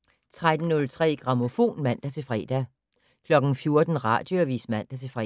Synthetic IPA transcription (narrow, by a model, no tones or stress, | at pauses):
t͡sʰʁad̥n̩nɔ̽lt͡sʰʁɛ̰ːɡ̥ʁɑ̈mo̝fo̝̰ːnmæn̰d̥æt͡sʰe̝fʁɛ̰ːd̥æ | kʰlɒ̽ɡ̥n̩fjo̝ɐd̥n̩ʁɑ̰̈ːd̥joæʋḭːsmæn̰d̥æt͡sʰe̝fʁɛ